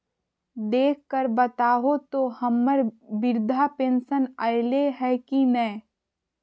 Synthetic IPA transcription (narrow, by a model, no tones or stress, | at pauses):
d̪eːkʰkəɾbɐt̪aːɦot̪ohɐmːəɾbɪɾd̪ʱapẽːnʃənaːɪleɦɛkinɛ